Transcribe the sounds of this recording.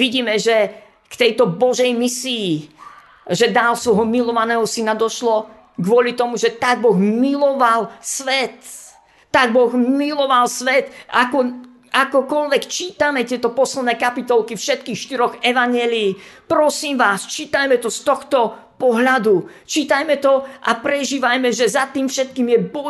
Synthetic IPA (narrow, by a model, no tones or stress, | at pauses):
ʋiɟiːmɛʒɛ | kt̪ɛjt̪ɔbɔʒɛjmisiː | ʒɛd̪aːlsʋɔjɦɔmilɔʋanɛːɦɔsinad̪ɔʃlɔ | ɡʋʊɔlit̪ɔmuʒɛt̪aɡ̚bɔɣmilɔʋalsʋɛt̪ː | aɡ̚bɔɣmilɔʋalsʋɛt̪akɔ | akɔkɔʎʋɛkt͡ʃiːt̪amɛt̪ɪɛt̪ɔpɔslɛd̪nɛːkapit̪ɔlkifʃɛt̪kiːxʃt̪iɾɔɣɛʋaɲɪɛːliːpɾɔsiːmʋaːst͡ʃiːt̪ajmɛt̪ɔst̪ɔxt̪ɔ | pɔɦʎad̪u | t͡ʃiːt̪ajmɛt̪ɔʔapɾɛʒiːʋajmɛʒɛzat̪iːmfʃɛt̪̚kiːmjɛbɔ